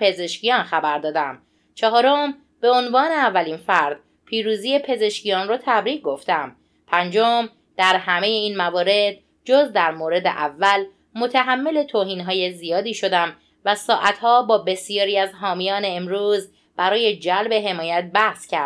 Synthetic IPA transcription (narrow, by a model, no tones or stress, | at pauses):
pʰe̞ze̞ʃcijɒːnxæbæɾd̪ɒːd̪æm | t͡ʃʰɒɦɒːɾom | b̥e̞onvɒːneævːæliːnfæɾd̪̥ | pʰiːɾuːziːjepʰe̞ze̞ʃcijɒnrot̪ʰæbɾiːɡ̚ɡo̞ft̪æm | pʰænd͡ʒom | d̪̥æɾɦæme̞je̞iːnmævɒːɾe̞d̪̥̚ | d͡ʒozd̪æɾmoːɾe̞d̪ḛʔævːæl | mo̞t̪ʰæɦæmːe̞le̞t̪ʰoːɦiːnɦɒːjezijɒːd̪iːʃo̞d̪æm | væsɒːʔæt̪hɒːbɒːbe̞sijɒːɾiːæzɦɒːmijɒːneːmɾuːz | b̥æɾɒːje̞d͡ʒælbe̞ɦe̞mɒːjæt̪̚bæhscʰæɾd̪